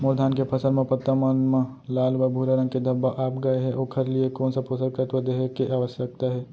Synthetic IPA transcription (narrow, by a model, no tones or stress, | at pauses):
moɾd̪ʱaːnkepʰɐsə̃nmẽpɐt̪ːəmɐnmə | laːlʋəbʱuːɾaɾɐ̃ŋɡ̚ked̪ʱɐbːaʔaːpɡɐeɦɛʔoːkʰɐɾliekɔːnsapoːsəkət̪ɐd̪eːɦekeʔaːʋəsjək̚t̪aɦɛː